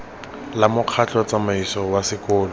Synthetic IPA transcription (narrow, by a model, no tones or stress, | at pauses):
lamʊq͡χʰat͡ɬɔt͡samaisɔwasɪkʊːlɔ